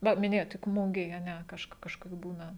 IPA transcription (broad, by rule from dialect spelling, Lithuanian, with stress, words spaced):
ˈʋɐ mʲɪˈnʲeːjoːt tʲɪk ˈmʊɡʲeːj ɐ ˈnʲɛ ˈkɐʃk ˈkɑːʃkɐs ˈbuːnɐ